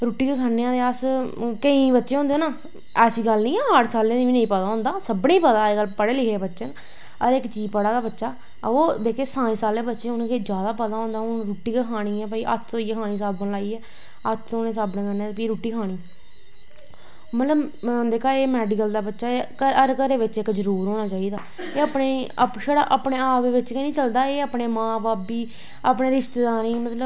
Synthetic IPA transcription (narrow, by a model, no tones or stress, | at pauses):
ɾuːʈːiːkekʰaːnːejãːd̪eːaskəĩːbətːʃẽːõːnd̪eːnãː | ɛːsiːɡəlnĩːɛːaʈsaːlẽːiːʋiːnə̃ĩːpət̪aːɦʊ̃ːnd̪aːsəbɳẽːpət̪aːeɡəlpəɽeːlɪkʰeːbətːʃən | əɾɪkt͡ʃiːpəɽaːd̪aːbətːʃaː | oːd̪eːkʰeːsãːĩsaːlẽːbətːʃeːʊnkeːd͡ʒjaːd̪aːpət̪aːɦõnd̪aːʊnɾuːʈːiːkəkʰaːɽ̃iːɛːpəiːʔə̰t̪ʰːoːiːkʰaːɽ̃iːsaːbbəllaːiːɛː | ət̪ʰːoːnẽːsaːbnẽːkənːeːpiːɾuːʈːiːkʰaːɽ̃iː | mət̪ləbd̪eːkʰaːeːmɛːɖɪkəld̪aːbətːʃaːkəɾəɾkəɾeːʋɪt͡ʃɪkd͡ʒəɾuːɾɦoːnaːt͡ʃaːiːd̪aː | eːəpɳeːpʃəɽaːʔaːpɳeːaːpd̪eːʋɪt͡ʃkɛnĩːt͡ʃəld̪aːeːəːpneːmãːbaːpiː | aːpneːɾɪʃt̪eːd̪aːɾiːmət̪ləb